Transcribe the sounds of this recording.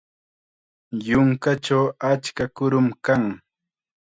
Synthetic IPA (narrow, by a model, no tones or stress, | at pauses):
jʊŋkat͡ʃawat͡ʃkakʊɾʊmkaŋ